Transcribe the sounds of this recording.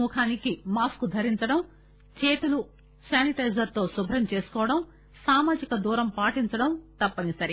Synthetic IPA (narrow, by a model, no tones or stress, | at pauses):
uːkʰaːnikimaːskud̪ʱɐɾiɲt͡ʃɐɽɐm | t͡ʃe̞ːt̪ulu | saːniʈɐjzɐɾt̪o̞ːsubʱɾɐmt͡ʃe̞ːsu̥kɔːʋɐɽɐm | saːmaːd͡ʒikɐd̪uːɾɐmpaːʈiɲt͡ʃɐɽɐmt̪ɐpːɐnisɐɾi